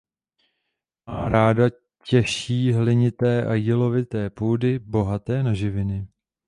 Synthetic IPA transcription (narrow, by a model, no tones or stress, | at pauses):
aɾaːda | cɛʃiːɦlɪɲɪt̪ɛːʔajilo̞vɪt̪ɛːpuːdɪbo̞ɦat̪ɛːnaʒɪvɪnɪ